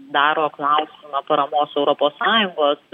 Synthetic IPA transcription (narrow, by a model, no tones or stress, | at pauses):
d̪ɑːɾoːklˠɑʊsʲɪmɐpɐɾɐmoːsɛʊɾɔpoːssɑːjʊŋɡoːs